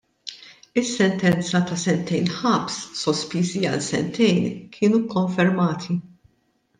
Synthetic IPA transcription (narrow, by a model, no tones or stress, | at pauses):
ɪsːɛnt̪ɛnt͡sɐt̪ɐsɛnt̪ɛjnħɐpsːɔspiːziɐlsɛ̰nt̪ɛjnkʰɪːnukːɔɱfɛɾmɐːt̪ʰi